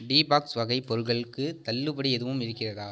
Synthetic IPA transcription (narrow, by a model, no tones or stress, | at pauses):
ɖiːbaːksʋɐɣɐɪpɔɾɯɣɐɭɯkːɯt̪ɐlːɯbɐɽiɛðɯʋɯmɪɾɯkːɪrɐðaː